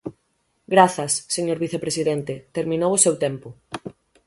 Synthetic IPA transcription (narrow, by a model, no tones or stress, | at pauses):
ɡɾaθɐsːeɲoɾβiθepɾesiðɛnt̪et̪eɾmĩnowʊsewt̪ɛmpʊ